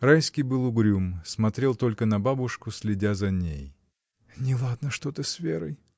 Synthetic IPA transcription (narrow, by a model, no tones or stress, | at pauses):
ɾajskʲijbɨlˠʊɡɾʲumsmɐt̪ɾʲe̞lˠt̪o̞lʲkənɐbabʊʂkʊsʲlʲɪdʲazɐnʲḛj | nʲɪlˠad̪nəʂt̪ot̪ɨsvʲeɾɨj